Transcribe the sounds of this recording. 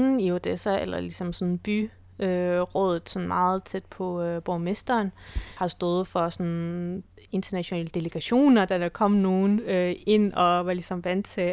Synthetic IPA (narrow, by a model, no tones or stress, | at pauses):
n̩io̝d̥esæelɐlisɒ̽msɒ̽nn̩b̥y | øʁɔ̽ːðˠð̩ˠsɒ̽nmɑ̈ːð̩ˠt͡sʰed̥̚pʰɒ̽øb̥omesd̥ɐːnhɑ̈sd̥ɔːð̞̩ˠfɒ̽sɒ̽n | e̝nd̥ɐnæɕonɛ̰ːləd̥e̝ləɡ̥æɕo̝̰ːnɐd̥æækʰɒ̽m̰no̝ːnøe̝n̰ɒ̽ʋɑ̈lisɒ̽mʋæn̰̥t͡sʰe̝